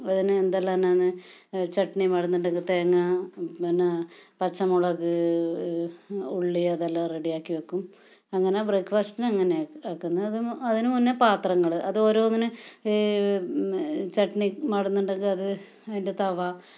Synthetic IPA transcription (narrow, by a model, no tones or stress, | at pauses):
ɐðinɨend̪ɐlːaːnaːnːɨt͡ɕeʈɳimɐɽɐnːuɳɖɐŋɡɨt̪eːŋːɐinːɐpɐt͡ɕːɐmuɭɐɣɨ | uɭːiɐðɐlːareɽijaːkːiʋɐkːum | ɐŋːɐnebreːkːfaːstinɐŋːɐneaːkːunːɐɐðɨɐðinɨmunːepaːt̪rɐŋːɐɭɨʔɐðo̞ːɾo̞ːɐŋːɐne | t͡ɕeʈɳimɐɽɐnːuɳɖeŋɡɨɐðɨ | ɐðindet̪ɐʋɐ